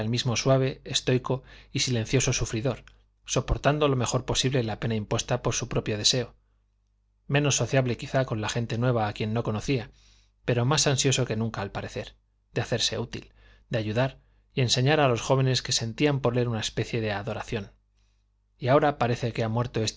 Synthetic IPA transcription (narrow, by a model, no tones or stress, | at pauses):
elmizmo̞swaβ̞e̞ːst̪o̞jko̞isile̞n̟θjoso̞sufɾiðo̞ɾ | so̞po̞ɾt̪and̪o̞lo̞me̞xo̞ɾpo̞siβle̞lape̞naimpwe̞st̪apo̞ɾsupɾo̞pjo̞ð̞e̞se̞o | mẽ̞no̞sːo̞θjaβle̞kiθako̞nlaxe̞nt̪e̞nwe̞β̞aːkje̞nːo̞ko̞no̞θia | pe̞ɾo̞masansjo̞so̞ke̞nũŋkaːlpaɾeθe̞ɾ | d̪eaθe̞ɾse̞̰ut̪ḭl | d̪eaʝuðaɾ | ie̞nse̞ɲaɾalo̞sxo̞β̞e̞ne̞ske̞se̞nt̪iampo̞ɾle̞ɾunaespe̞θje̞ðe̞aðo̞ɾaθjo̞n | iao̞ɾapaɾe̞θe̞ke̞amwe̞ɾt̪o̞e̞st̪